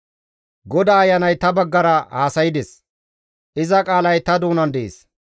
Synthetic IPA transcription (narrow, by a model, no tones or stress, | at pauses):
ɡɔd̪aːjːɐnɐjt̪ɐbɐɡːɐɾɐhaːsɐjɪd̪ɛs | ʔɪzɐkʼaːlɐjt̪ɐd̪uːnɐnd̪ɛʔḛːs